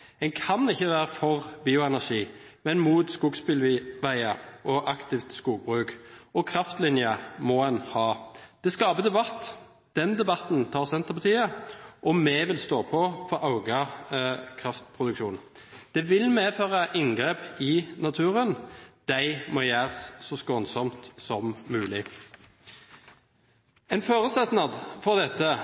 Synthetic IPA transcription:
ɛŋkʰɑnɪçːəʋæːɾəfɔʁbiːʊɛnæʁʂiː | mɛnmuːt̪skuːɡspɪlʋæɪɑʔɔʔɑkt̪ɪft̪skuːɡ̚bʁʉːkɔkʰʁɑft̪lɪnjəmɔɛnhɑːd̪̥ɛskɑːbəd̪ɛbɑt̪ː | d̪̥ɛnd̪ɛbɑt̪nt̪ʰɑːʁsɛnt̪əʁpʰɑt̪ʰiːəʔɔmɛʋɪlst̪oːpʰɔfɔɾɑʊɡə | kʰʁɑft̪pʰʁʊd̪ʉkʃuːn | d̪̥ɛʋɪlmeːføːʁɑʔɪŋɡʁeːpɪnɑt̪ʰʉːɾənd̪̥æɪmɔjæːʁsːɔskoːnsɔmt̪sɔmːʉːlɪ | ɛɪnfoːʁʉsɛt̪nɑd̪fɔʁd̪ɛt̪ːə

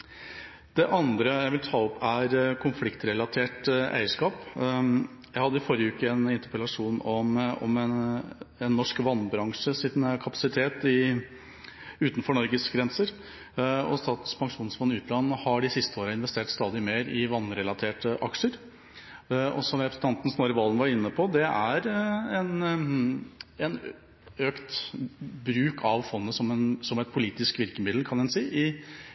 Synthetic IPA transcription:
d̪̥ɛʔɑnd̪ɾəjæɪʋɪlt̪ʰɑːɔpʰæɾkʰʊnflɪkt̪ɾɛlɑt̪ʰeːʈʔæ̰ɪəʂkɑːp | jæɪhɑd̪ːəɪfɔɾjəʉːkəɛnɪnt̪əpəlɑʂuːnɔmɔ̰m | ɛnːɔʂkʋɑnːbɾɑŋʂəsɪnkʰɑpɑ̥sɪt̪ʰeːt̪ɪ | ʉːt̪n̩fɔɳɔɾɡəsɡɾɛnsəɾ | ɔ̰st̪ɑːt̪ə̥spʰɑŋʂuːnsfɔnːəʉːt̪lɑnːəhɑɖɪsɪst̪əoːɾəɪnʋɛst̪eːʈst̪ɑːd̪ɪmeːɾɪʋɑnːɾɛlɑt̪ʰeːʈəʔɑkʂəɾ | ɔ̰sɔmɾɛpɾəsn̩ɑnt̪n̩snoːɾəʋɑlːən̩ʋɑɾɪnːəpʰɔd̪ɛæɾɛn | ɛn | øːkt̪bɾʉːkʰɑʋfɔnːəsɔmɛnsɔmɛt̪̚pʰʊliːt̪ɪskʋɪɾkəmɪd̪l̩kʰɑnɛnsiːʔɪ

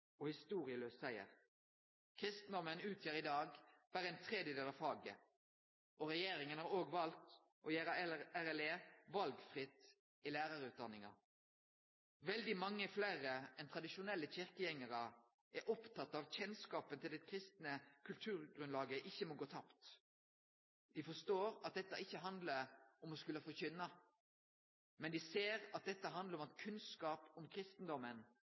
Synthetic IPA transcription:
ɔhɪst̪uːʁɪəløːssæɪə̰ʁ | kʰʁɪst̪n̩d̪ɔmənʉːt̪ʰjeːʁɪd̪ɑːɡb̥æːʁəɛɪnt̪ʰʁɛd̪jəd̪eːlɑʋfɑːɡə̰ | ɔʁɛjeːɾɪŋənhɑːʁoːɡʋɑlt̪ | ʔɔjæːɾəæʁɛleːʋɑlɡfʁɪt̪ | ilæːʁɑʁəʉːd̪ɑnːɪŋɑ̰ | ʋɛld̪ɪmɑŋːəflæʁəɛnt̪ʰɾɑd̪ɪʃʊnɛlːəçɪʁkəjɛŋːəɾə | ɛɾʔɔpt̪ʰɑt̪ːɑʋçɛnskɑːpənt̪ɪld̪ɛkʰɾɪst̪nəkʰʉlt̪ʰʉːɾɡʁʉnlɑːɡəʔɪçːəmɔɡoːt̪ʰɑpt̪ | d̪̥ɪfɔʂt̪oːɾɑt̪̚d̪ɛt̪ːɑ̰ʔɪçːəɦɑnd̪ləɾɔmɔskʉləfɔçʏnːɑ | mɛnd̪ɪseːɾɑt̪̚d̪ɛt̪ːəɦɑnd̪ləɾɔmɑt̪kʰʉnskɑːpɔmkʰɾɪst̪n̩d̪ɔmːən

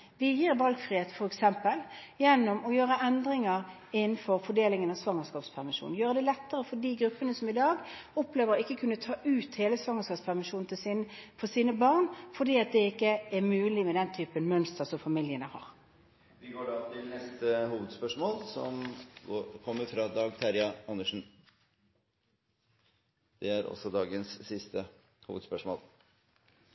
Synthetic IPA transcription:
ʋɪjiːɾʋɑlɡfʁiːheːt̪fɔɾɛksɛmpəljɛnːɔmɔjøːʁəʔɛnd̪ʁɪŋəɾ | ɪnn̩fɔɾfɔɖeːlɪŋənɑsʋɑŋəskɑːpspʰæʁmɪʃṵːn̩jøːʁəd̪ɛlɛt̪ːəʁəfɔɖiːɡɾʉpːənəsɔmɪd̪ɑːɡɔpleːʋəɾɔɪkːəkʰʉnːət̪ʰɑːʔʉːt̪heːləsʋɑŋːəskɑːpspʰæʁmɪʃuːn̩t̪ʰɪsfɔsiːnəbɑʁnfɔɖiːɑt̪̚d̪ɛɪkːəɛʁmʉːlɪmɛd̪ɛnt̪ʰyːpənmœnst̪əʁsɔmfɑmɪljənəhɑ̰ːʁ | ʋɪɡoːɖɑːt̪ʰɪlnɛst̪əhuːʋəd̪spœʂmoːlsɔ̰moːkʰɔmːəɾfɾɑd̪ɑːɡ̚t̪ʰæɾjɑɑnːəʂn̩ | d̪̥ɛæɾɔ̰sɔd̪ɑːɡənsːɪst̪ʰə | hṵːʋəd̪spœʂmo̰ːl

